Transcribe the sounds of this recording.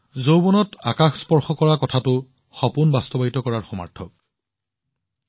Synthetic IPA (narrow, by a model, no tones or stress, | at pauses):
zowbɔnɔtakaxspɔɹxɔkɔɹakɔtʰatʊ | xɔpʊnbastɔbaitɔkɔɹaɹxɔma̰ɹtʰɔk